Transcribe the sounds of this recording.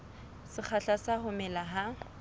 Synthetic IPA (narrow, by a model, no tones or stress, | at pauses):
sɪk͡xʰaɬasahʊmɛlaɦa